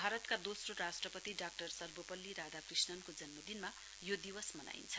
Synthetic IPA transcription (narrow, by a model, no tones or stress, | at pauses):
bʱaɾʌt̪kad̪osroɾasʈrʌpʌt̪iɖak̚ʈʌrsʌrbopʌlːiɾad̪akrisnʌnkod͡zʌnmʌd̪inma | jod̪iwʌsmʌna̰ḭnt͡sʰʌ̥